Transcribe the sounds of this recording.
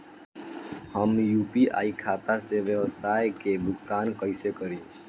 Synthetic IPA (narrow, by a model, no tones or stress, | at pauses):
həmjuːpiʔa̰ikʰat̪aseʋjəʋsajkebʱʊkt̪ankəɪsekəɾi